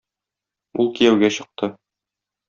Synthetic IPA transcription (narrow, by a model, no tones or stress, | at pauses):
ulˠkijæwɡæɕɤ̆q̚t̪ʰɤ